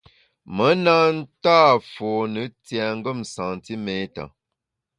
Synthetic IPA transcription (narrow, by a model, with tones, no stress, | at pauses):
mə˨˦na˦n̩˦taː˦˨fɔ˨nə˨˦tja˨ŋ̩˦ɡə˦˨msã˨n˨ti˦me˦ta̰˨